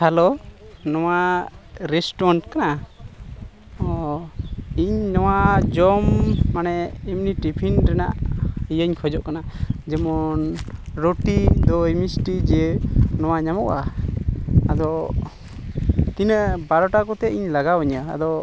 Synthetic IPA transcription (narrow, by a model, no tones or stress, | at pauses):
halonɔwa | ɾɛsʈɔnʈkana | ɔ | iɲnɔwad͡ʒɔmːanɛːmniʈipʰinɾɛna̰ʔijəɲkʰɔd͡ʒɔʔkanad͡ʒɛmɔnɾoʈid̪ɔimisʈid͡ʒɛnɔwaɲamɔʔa̰ | ad̪ɔ | t̪inəʔbaɾɔʈakɔt̪ɛiɲlaɡawəɲəa̰d̪ɔ